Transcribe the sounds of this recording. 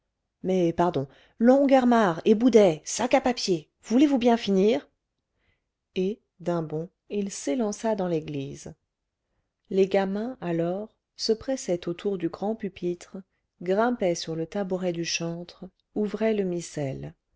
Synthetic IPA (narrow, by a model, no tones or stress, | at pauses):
mɛpaʁd̪ɔ̃ | lɔ̃ɡaʁmaʁebud̪ɛsakapapje | vulevubjɛ̃finiːʁ | e | d̪ɛ̃bɔ̃ | ilselɑ̃sad̪ɑ̃leɡliz | leɡamɛ̃alɔʁ | səpχɛsɛt̪ot̪ʰuʁd̪yɡʁɑ̃pypʰit̪χ | ɡʁɛ̃pɛsyʁlət̪abuʁɛd̪yʃɑ̃t̪χ | uvʁɛləmisɛl